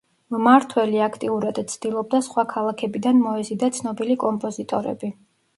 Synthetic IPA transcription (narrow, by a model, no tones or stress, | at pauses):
maɾt̪ʰwɛliakʰt̪ʼiuɾad̪t̪sʰd̪̥ilˠɔb̚d̪asχwakʰalˠakʰɛbid̪anmɔɛzid̪at̪sʰnɔbilikʼɔmpʼɔzit̪ʼɔɾɛ̰bi